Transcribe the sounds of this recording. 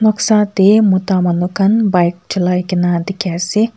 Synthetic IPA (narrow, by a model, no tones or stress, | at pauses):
nɔksaːt̪emut̪aːmɐnukɐnbɐjk̚t͡ʃʰɐlajkinaːd̪ikʲɛːsi